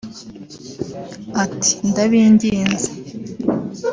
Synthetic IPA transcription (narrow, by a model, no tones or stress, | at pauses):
ati̥nd̪aβindind͡zḁ